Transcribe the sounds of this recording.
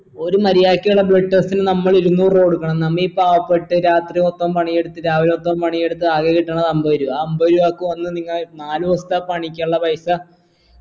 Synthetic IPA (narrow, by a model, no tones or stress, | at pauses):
o̞ɾumɐɾijaːkːijuɭːɐbɭeʈːest̪inɨnɐmːɐɭiɾunːuːro̞ːɽukːɐɳɐmnɐmːiipːaːʋɐpːeʈːɨɾaːt̪riot̪ːɐmpɐɳijeɽut̪ːɨɾaːʋilot̪ːɐmpɐɳijeɽut̪̬ːɨaːɣekiʈːaːɳɐðɐmboɾuaːɐmboɾuʋaːkːɨʋɐnːɨniŋːɐɭnaːluʋɐst̪ɐpɐɳikʲːaɭːɐpɐjsɐ